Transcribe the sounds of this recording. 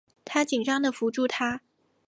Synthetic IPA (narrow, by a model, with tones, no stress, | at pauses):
t̪ʰa˥t͡ɕi˨˩ŋʈ͡ʂɑ˥ŋd̪ə˨fu˧˥ʈ͡ʂu˥˩t̪ʰa˥